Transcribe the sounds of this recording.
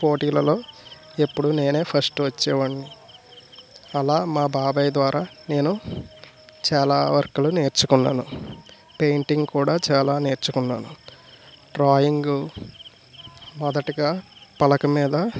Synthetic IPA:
po̞ːʈiːlɐlo̞ː | e̞pːuɽune̞ːne̞ːpʰɐɾsʈʋɐt͡ʃːɛːʋɐɳːi | ɐlaːmaːbaːbɐjd̪ʋaːɾaːne̞ːnu | t͡ʃaːlaːʋɐɾkulune̞ːɾt͡ʃukunːa̰ːnu | pejɳʈiŋɡkuːɽaːt͡ʃaːlaːne̞ːɾt͡ʃukunːaːnu | ɖɾaːjiŋɡu | mɔd̪ɐʈiɡaːpɐlɐkɐmiːd̪ɐ

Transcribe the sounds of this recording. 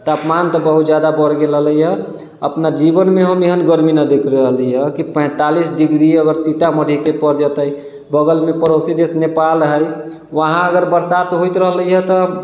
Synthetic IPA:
t̪apmant̪ɔbəɦut̪d͡ʒjad̪abəɾɡelɦləjɦə | əpnad͡ʒibənmeɦəmeɦənɡəɾminəd̪ekʰɾəɦliəkipə̃ɪ̃t̪alisɖiɡɾiəɡəɾsit̪aməɽ̤ʱikepəɾd͡ʒət̪əj | bəɡəlmepəɾosid̪esnepalɦəj | ʋəɦãəɡəɾbəɾsat̪ɦojt̪ɾəɦələjɦət̪ɔ

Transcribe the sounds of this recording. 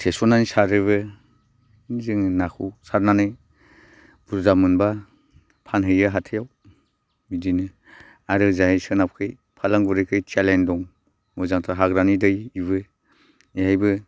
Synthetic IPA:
tʰesɔnanisaɾɯβɯ | zɯŋnakʰuwsaɾnanɯj | b̥uɾzamɯnba | pʰanɦɯjɯɦatʰejaw | midinɯ | aɾɯzaɦejsɯnap̚kʰɯj | pʰalaŋbuɾɯjkʰɯjtʰalendɔŋ | mɔzaŋtʰaɦaɡɾanidɯjiβɯ | ejajbɯ

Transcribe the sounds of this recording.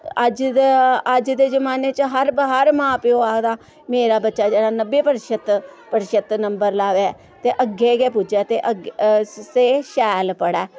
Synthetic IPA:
əd͡ʒ | əd͡ʒd̪eːzəmaːneːt͡ʃɦəɾbəɦəɾmãːpɪoːaːkd̪aː | meːɾaːbətːʃaːd͡ʒeːɽaːnəbːeːpəɾɪʃət̪pəɾʃət̪nəmbəɾlaːʋeɛː | t̪eːʔəɡeːɡeːp̬ʊd͡ʒaːt̪eːʔəɡseːʃɛːlpəɽɛː

